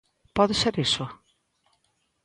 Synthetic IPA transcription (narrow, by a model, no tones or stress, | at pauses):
pɔðɪseɾesʊ